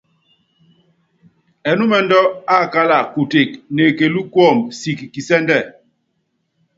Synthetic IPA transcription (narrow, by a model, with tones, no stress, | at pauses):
ɛ˨nu˦mɛ˨ndɔ˦a˦˨ka˦la˨ku˨te˨k̚ne˨ke˨lu˦kwɔ˦˨msi˨kki˨sɛ˦ndɛ˦˨